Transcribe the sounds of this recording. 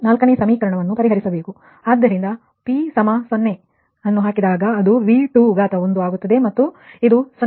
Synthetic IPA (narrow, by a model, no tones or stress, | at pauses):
naːlkɐneːsɐmiːkɐɾɐɳɐʋɐnːupɐɾiɦɐɾisɐbeːku | aːd̪ːɐɾind̪ɐ | pisɐmɐsonːe | ɐnːuɦaːkid̪aːɡɐːd̪uʋiːʈuːɡaːt̪ɐond̪uaːɡut̪ːɐd̪e̞mɐt̪ːuid̪usɐ